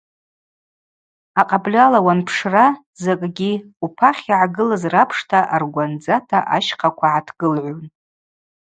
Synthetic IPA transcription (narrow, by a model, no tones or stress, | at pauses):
aqʼablʲalawanpʰʂra | zakʼɡʲiupʰaχʲiʕaɡɨlazrapʰʂtʰaʔarɡʷand͡zatʰaʔaʃqʰakʷʰaʕatʰɡ̥ɨlʕʷon